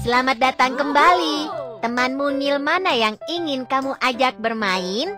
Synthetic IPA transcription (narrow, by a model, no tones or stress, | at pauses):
səlamat̪̚dat̪aŋkəmbalit̪əmanmuŋilmanajaŋiŋɪnkamuʔad͡ʒak̚bərmaɪn